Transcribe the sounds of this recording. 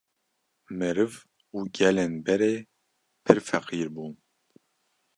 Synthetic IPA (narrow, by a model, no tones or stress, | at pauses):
mɨɾɨv | uːɡɛlenbɛɾeː | pʰɨɾfɛqiːɾbuːn